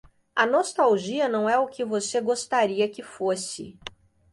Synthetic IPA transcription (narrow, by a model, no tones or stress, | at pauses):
ɐnost̪awʒiɐnɐ̃w̃ɛʊkɪvoseɡost̪aɾiɐkɪfosɪ̰